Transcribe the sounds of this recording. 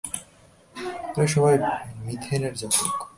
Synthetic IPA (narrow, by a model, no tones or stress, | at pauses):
ejʃɔbʱajmit̪ʰeneɾd͡ʑat̪ok